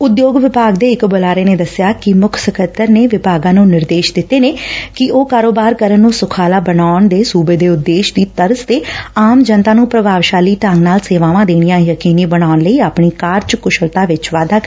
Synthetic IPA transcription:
ʊd̪joːɡʋɪpaːɡd̪eːɪkbolaːɾeːneːd̪əsːɪjaːkɪmʊkʰsəkət̪ːəɾneːʋɪpaːɡãːnũːnɪɾd̪eːʃd̪ɪt̪ːeːneːkɪʔoːkaːɾoːbaːɾkəɾənːũːsʊkʰaːlaːbənaːɳd̪eːsuːbeːd̪eːʊd̪ːeːʃd̪iːt̪əɾəst̪eːaːmd͡ʒənt̪ãːnũːpɾəbʱaːʋʃaːliːʈə̃ŋɡnaːlseːʋaːʋãːd̪eːñijãːjəkiːniːbənaːnləiːaːpɳiːkaːɾt͡ʃkʊʃəlt̪aːʋɪt͡ʃʋaːd̪aːk

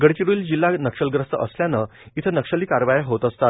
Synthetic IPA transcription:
ɡəɽt͡ɕiɾuːld͡ʑilːanəkʂəlɡɾəst̪əʔəsljanəit̪ʰənəkʂəliːkaɾʋajəɦot̪əst̪at̪̚

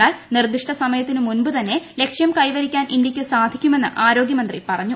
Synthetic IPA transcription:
aːlnird̪iʂʈɐsɐmɐjɐt̪ːinɨmunbut̪ɐnːe̞le̞kʂjɐmkɐjʋɐɾikʲːaːnʔind̪jɐkʲːɨsaːd̪ʱikʲːume̞nːɨ̰ʔaːɾo̞ːɡjɐmɐnd̪ripɐrɐɲːu

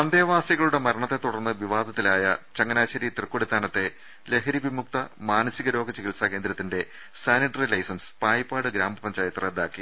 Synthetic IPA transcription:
ɐnd̪eːʋaːsjɐɣɐɭuɽe̞mɐɾɐɳɐt̪ːe̞t̪ːuɽɐrnːɨʋiʋaːd̪ɐt̪ːilaːjɐt͡ɕɐŋːɐnaːt͡ɕːɐɾit̪rɨkːoɽit̪ːaːnɐt̪ːe̞ | le̞ɦɐɾiʋimuk̚t̪ɐmaːnɐsiɣɐɾo̞ːɡɐt͡ɕiɣilsaːke̞ːnd̪ɾɐt̪ːinde̞ | saːniʈːɐrilɐjsɐnspaːjɐpːaːɽɨɡɾaːmbɐpɐɲd͡ʑaːjɐt̪ːrɐd̪aːkːi

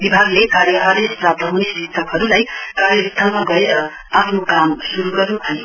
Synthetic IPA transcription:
bibʱaɡlekaɾjʌʔʌɾesprab̚t̪ʰʌɦunesɾit̪ʰʌkɦʌɾulajkaɾjʌst̪ʰalmaɡʌeɾʌ | apʰnokamsuɾuɡʌɾubʱʌ

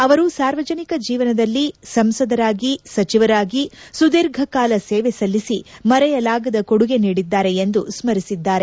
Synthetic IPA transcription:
ɐʋɐɾusaːɾʋɐd͡ʒɐnikɐd͡ʒiːʋɐnɐd̪ɐlːisɐmsɐd̪ɐɾaːɡisɐt͡ʃiʋɐɾaːɡisud̪iɾɡʱɐkaːlɐseːʋesɐlːisimɐɾɛjɐlaːɡɐd̪ɐkoɽuɡe̞niːɽid̪ːaːɾe̞end̪usmɐɾisid̪ːaːɾe

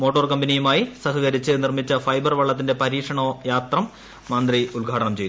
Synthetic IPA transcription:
mo̞ːʈːorkɐmbɐnijumaːjisɐɦɐɣɐɾit͡ɕːɨnirmit͡ɕːɐfɐjbɐrʋɐɭːɐt̪ːinde̞pɐɾiːkʂɐɳoːjaːt̪rɐmː | ɐnd̪riulɡʱaːʈɐɳɐmt͡ɕejt̪ː

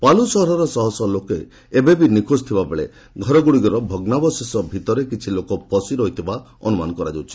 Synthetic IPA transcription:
palusɔɦɔɾɔɾɔsɔɦɔsɔlokeː | bebinikʰost̪ʰibabeɭḛ | ɡʱɔɾɔɡuɽiɡɔɾɔbʱɔɡnabɔsesɔbʱit̪ɔɾekit͡ʃʰilokɔpɔsiɾɔɦit̪ʰiba | ɔ̰numa̰nɔkɔɾad͡ʒawt͡ʃʰi̥

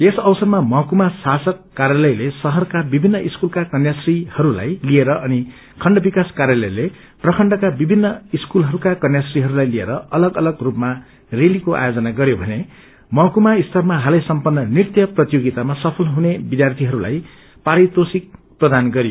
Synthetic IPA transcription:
esʌwsʌrmamʌɦkumasasʌkːaɾjalʌjlesʌɦʌrkabibʱinːʌʔiskulkakʌnjasrihʌɾula̰jlieɾʌʔʌni | kʰʌɳɖʌbikaskaɾjalʌjle | prʌkʰʌɳɖʌkabibʱinːʌiskulɦʌɾukakʌnjasriɦʌɾulajliḛɾʌʌlʌɡʌlʌɡrupma | relikoʔa̰jod͡zʌnaɡʌɾjobʱʌne | mʌɦkumaist̪ʰʌrmaɦalʌsʌmpʌnːʌnirt̪jʌprʌt̪joɡit̪amasʌpʰʌlɦunebid̪ʱjart̪ʰiɦʌɾula̰j | paɾit̪osik̚ | prʌd̪anɡʌɾijo

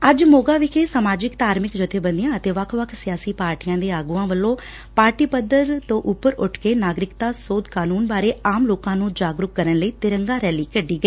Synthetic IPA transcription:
əd͡ʒmoːɡaːʋɪkʰeːsəmaːd͡ʒɪkt̪aːɾmɪkd͡ʒət̪ʰːeːbənd̪ɪjãːət̪eːʋəkʰʋəkʰsɪjaːsiːpaːɾʈijãːd̪eːaːɡuːãːʋəlːõː | paːɾʈiːpəd̪əɾt̪õːʔʊpːəɾʊʈʰkeːnaːɡɾɪkt̪aːsoːd̪kaːnuːnbaːɾeːaːmloːkãːnũːd͡ʒaːɡɾʊkːəɾənləiːt̪ɪɾəŋɡaːɾɛːliːkəɖːiːɡəiː

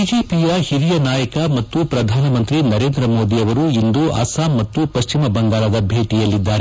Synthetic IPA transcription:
id͡ʒeːpijɐhiɾijɐnaːjɐkɐmɐt̪ːupɾɐd̪ʱaːnɐmɐnt̪ɾinɐɾeːnd̪ɾɐmo̞ːd̪iɐʋɐɾuind̪uʔɐ̰saːmːɐt̪ːupɐʃt͡ʃimɐbɐŋɡaːɾɐd̪ɐbʱe̞ːʈijɐlːid̪ːaːɾe

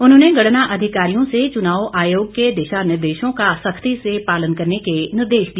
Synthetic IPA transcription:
ʊnɦõːneɡɐɽnaʔɐd̪ʱɪkaːɾijõset͡ʃʊnaːwʔaːjoːɡ̚ked̪eːʃanɪɾd̪eːʃõkasɐkʰt̪isepaːlənkɐɾnekenɪɾd̪eːʃd̪i

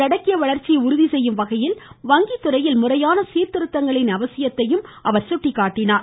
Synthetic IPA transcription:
ɐɽɐkːɪjɐʋɐɭɐɾt͡ʃːɪʊɾʊðisɛjːɯmʋɐɣɐjɪlʋɐŋɡit̪ːɯrɐjɪlmʊrɐjaːnɐsiːɾt̪ɪɾɯt̪ːɐŋɡɐɭɪnɐʋɐsɪjɐt̪ːɐjɯmʔɐʋɐɾsʊʈːɪkːaːʈːɪnaːɾ

